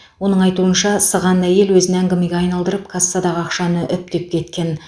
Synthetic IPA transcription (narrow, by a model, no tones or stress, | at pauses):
wo̞nəɴɑjt̪uənʃɑsəʁɑnæje̞lwɵzɪnæŋɡʲɪmeɡʲeɑjnɑlˠd̪əɾəp̚kʰasːɑd̪ɑʁəɑqʃɑnəʔʏp̚t̪ep̚kʲʰe̞t̪kʲe̞n